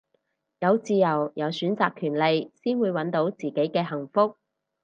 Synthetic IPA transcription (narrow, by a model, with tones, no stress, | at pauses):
jɐ˨˧wt͡siː˧jɐ˨˩wjɐ˨˧wsyː˨˥nt͡saː˨˧kʰyː˨˩nle˨jsiː˥nwuː˨˧jwɐ˨˥nt̪o˨˥wt͡siː˨˩ke˨˥jkɛː˧ɦɐ˨˩ŋfʊ˥k̚